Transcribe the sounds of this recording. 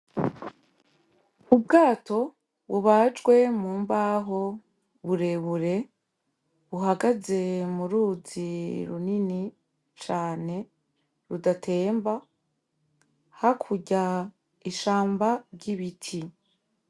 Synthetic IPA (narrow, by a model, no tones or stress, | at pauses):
ubɡaːto̞ | βuβad͡ʒɡwe̞muːmbaːɦo̞ | βuɾe̞βuɾe̞ | βuɦaɡaze̞muɾuːziɾṵnini | t͡ʃaːne̞ | ɾudatʰe̞ːmba | hakʰuɟa | iʃaːmbaɾɟiβitʰi